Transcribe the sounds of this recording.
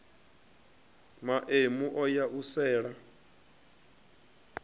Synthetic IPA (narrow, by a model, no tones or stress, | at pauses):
maʔemuʔɔjaʔusɛːɺa